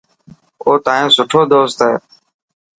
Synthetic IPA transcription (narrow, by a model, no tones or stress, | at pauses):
oːt̪aːẽːsʊʈʰoːd̪oːst̪eː